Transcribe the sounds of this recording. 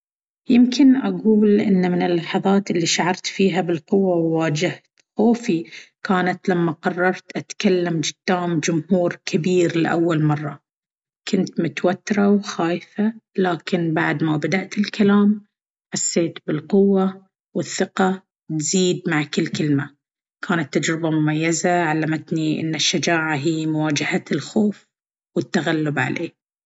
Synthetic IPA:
jɪmkʰɪnʔaɡuːlʔɪ̰nːamɪnɪlːɑħɑðˤɑːt̪ɪlːiʃaʕɑɾˤt̪fiːɦabɪlqʊwːawwaːd͡ʒɪht̪xoːfikaːnat̪lamːaqɑrˤːɑɾˤt̪ʔat̪kalːamd͡ʒɪd̪̥ːaːmd͡ʒʊmhuːɾkʰabiːɾlɪʔawːalmɑrˤːɑ | kʰʊnt̪mʊt̪wat̪ːɪɾawxaːjfalaːkɪnbaʕd̪mabad̪aʔt̪ɪlkalaːm | ħasːeːt̪bɪlqʊwːa | wɪθːɪqɑ | t̪z̥iːd̪maʕkɪlːkɪlma | kʰaːnat̪ːad͡ʒɾɪbamʊmajːazaʕalːamat̪niʔɪ̰nːɪʃːad͡ʒaːʕaɦiːmʊwaːd͡ʒahat̪ɪlxoːf | wɪt̪ːaɣalːʊbʕa̰lʔḛː

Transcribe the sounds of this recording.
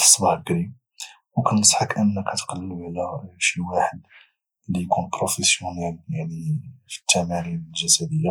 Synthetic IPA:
ə̥sˤːbɑɡɾib | wkænəsˤħɑkʔənːəkæt̪qɑlːəblæʃiwaħəd̪̚ | lːijkunpɾofesjunæljaʕnifi̥t̪ʰːæmæɾiɾəlʒæsæd̪əjːa

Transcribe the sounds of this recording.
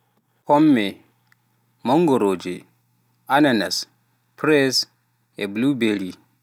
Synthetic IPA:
kɔmːɛ | mɔŋɡɔɾoːd͡ʒɛ | ananas | pɾɛs | ɛblubeɾi

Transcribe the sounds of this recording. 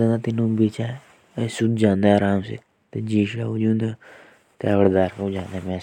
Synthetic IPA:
ãnd̪aːt̪inũːbiːt͡ʃaː | sud̪d͡ʒãːnd̪aːɾaːmsḛ | t̪ed͡ʒiːʃaːud͡ʒũːnd̪aː | t̪eaʋəɽd̪aːɾod͡ʒãːnd̪emɛ̃ː

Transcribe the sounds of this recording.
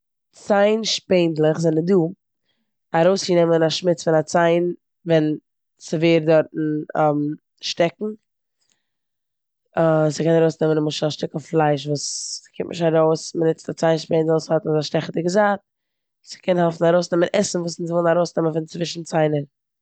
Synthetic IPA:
t͡saɪnʃpeɪndlˠəχzɛnəduː | aɾoʊsjənɛmənaʃmɪt͡sfɪnat͡saɪn | vɛn | sɪveɪɾdɔɾtn̩ɛm | ʃtɛkŋ̩ | sɪkɛnaɾoʊsnɛmənɪmʊʃaʃtɪkəflˠaɪʃ̬vuːskʰɪ̰mtnɪʃtaɾoʊsmənɪt͡stat͡saɪnʃpeɪndlˠshatnzaʃtɛχtəɡəzaːt | sɪ̥kʰɛnhɛlˠfn̩aɾoʊsnɛmənʔɛsn̩vuːs̬ns̬vɔlˠnaɾoʊsnɛmənfɪnt͡svɪʃn̩t͡saɪnəɾ

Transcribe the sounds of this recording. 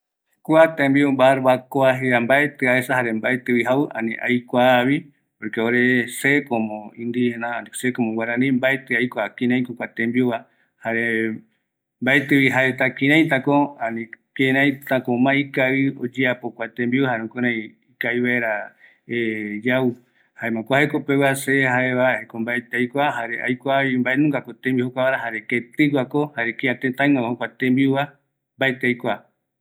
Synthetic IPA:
kʷat̪embiombaɾβakoaɦeambaet̪ɨaesaɦaɾembaet̪ɨβiɦawɨʔa̰nĩʔajkʷaβi | poɾkeoɾesekomõĩnd̪ienãnisekomõwaɾanĩmbaet̪ɨajkʷakĩɾãj̃kokʷat̪ẽmbioa | haɾe | mbaet̪ɨβiɦaet̪akĩɾãj̃t̪akoanĩkẽɾ̃ãj̃t̪akomãikaio̰d͡ʒeapokʷat̪ẽmbiuwahaɾeũkoɾãj | ikaiβaeɾa | ed͡ʒau | haemãkʷahekopewaseɦaeβahekombaet̪eajkʷahaɾeʔa̰jkʷaβimbaʔenũŋɡakot̪ẽmbihokʷaβaɾaɦaɾeket̪ɨɡʷakohaɾekeãt̪ent̪ãĩŋãahokʷat̪ẽmbiuβa | mbaet̪eajkʷa

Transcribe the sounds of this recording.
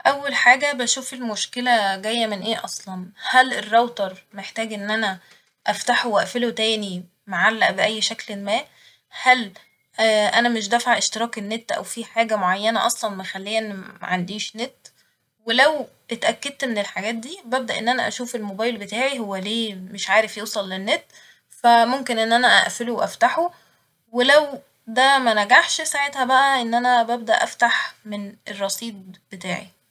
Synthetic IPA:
ʔæwːælħaːɡæbæʃuːfelmoʃkelæɡæjːæmenʔeːʔɑsˤlɑnhælerˤːɑwt̪ɑɾˤmeħt̪æːɡʔenːʔænæ | ʔæft̪aħowæʔfelot̪æːni | maʕalːæʔbeʔæjːʃæklemæː | hæl | ʔænæmeʃ̬d̪æfaʕʔeʃt̪eɾˤɑːkenːet̪ːʔæ̰wfiːħaːɡæmoʕajːænæʔɑsˤlɑnmæxælːejæʔenːimæ̰ʕand̪iːʃnet̪ː | welæw | et̪ʔækːæd̪̚t̪menelħaɡæːt̪̚d̪iːbæb̚d̪æʔḛnːʔænæʔæ̰ʃuːfelmobæːjlbet̪aːʕiɦowːæleːmeʃʕaːɾefjewsˤɑlːenːet̪ː | fæmomkenʔenːʔænæʔæ̰ʔfeluwʔæft̪aħo | welæw | d̪æmænæɡaħʃsaʕet̪hæbæʔæʔenːʔænæbæb̚d̪æʔæ̰ft̪aħmenʔerˤːɑsˤiːd̪̚b̥et̪a̰ːʕḭ

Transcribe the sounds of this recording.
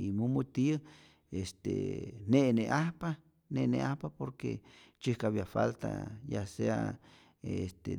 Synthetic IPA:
imumut̪i | est̪ḛneʔneʔahpa | neʔneʔahpapoɾket͡ʃihkaβjafa̰lt̪a̰jasea | est̪e

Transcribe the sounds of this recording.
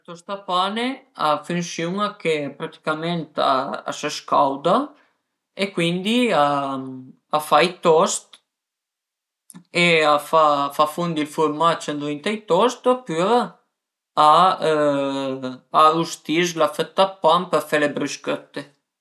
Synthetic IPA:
t̪ɔst̪apaneafynsuŋakepɾat̪i̥kamɛnt̪a̰a̰səskawd̪a | ekwind̪ia | afajt̪ɔst̪ | eafafafund̪ilfuɾmat͡ʃɛnt̪vint̪ajt̪ɔst̪pyɾ | a | aust̪islafət̪ːapːampəɾfɛlebɾyskøt̪ːe

